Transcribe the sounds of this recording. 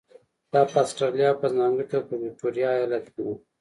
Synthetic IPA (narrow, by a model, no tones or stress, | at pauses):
d̪̥ɑpəasʈɾalijɑpəzɑŋɡiʈopəwiʈoɾjɑjɑlat̪kewu